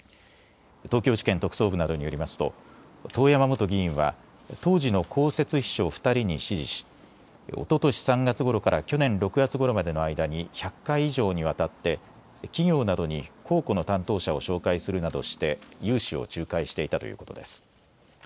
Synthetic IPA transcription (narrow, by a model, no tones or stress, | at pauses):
t̪o̞ːkʲo̞ːʑi̥kent̪o̞kɯ̟̥so̞ːbɯ̟nad̪o̞ɲ̟ijo̞ɾʲimasɨ̥t̪o̞̰ | t̪o̞ːjamamo̞t̪o̞ɡʲiĩɰ̃βa̰ | t̪o̞ːʑino̞kʰo̞ːse̞t͡sɨçi̥ɕo̞ːɸɯ̥t̪aɾʲiɲ̟iɕiʑḭɕi̥ | o̰t̪o̞t̪o̞ɕi̥sãŋɡat͡sɨɡo̞ɾo̞kaɾʔakʲo̞nẽ̞nɾo̞kɯ̟ɡat͡sɨɡo̞ɾo̞mad̪e̞no̞aid̪aɲ̟içakːaiːʑo̞ːɲ̟iβ̞at̪at̪ːe̞ | kʲiɡʲo̞ːnad̪o̞ɲ̟ikʰo̞ːko̞no̞t̪ãnt̪o̞ːɕao̞ɕo̞ːkaisɨɾɯ̟nad̪o̞̰ɕi̥t̪e̞jɯ̟ːɕio̞̰t͡ɕɨːkaiɕi̥t̪e̞it̪at̪ojɯ̰ːko̞t̪o̞̰d̪esɨ̥